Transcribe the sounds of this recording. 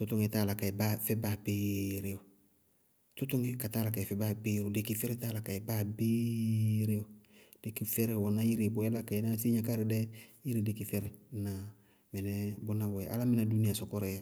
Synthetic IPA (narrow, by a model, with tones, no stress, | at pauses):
tʊ˦tʊ˦ŋe˨˦ta˦˨la˨ka˨ɛ˨ba˦fɛ˦ba˨be˦ɾe˦jo˨ | tʊ˦tʊ˦ŋe˦ka˨taː˦la˨ka˨ɛ˨fɛ˦ba˦be˦ɾo˨de˨ki˨fɛ˦ɾɪ˦ta˦la˨ka˨ɛ˨ba˦be˦ɾe˦o˨ | d̥e˨ki˨fɛ˦ɾɛ˨wɔ˨na˦ji˦ɾe˨bɔ˨ɛ˦la˦ka˨ɛ˨na˦si˦ɲa˦ka˦ɾɪ˨dɛ˦i˦ɾi˨de˨ki˨fɛ˦ɾɛ˨na˨ | mɛ˨nɛ˦bʊ˦na˦bɔ˨ɛ˨ʔa̰˦la˦mɪ˦na˨du˦ni˦a˨sɔ˦kɔ˦ɾɛ˨ja˨